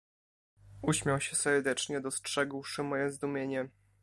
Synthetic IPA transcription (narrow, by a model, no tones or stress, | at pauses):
uɕmʲjawɕɛsɛɾd̪ɛt͡ʂɲɛd̪ɔstʂɛɡwʂɘmɔjɛzd̪umʲjeɲɛ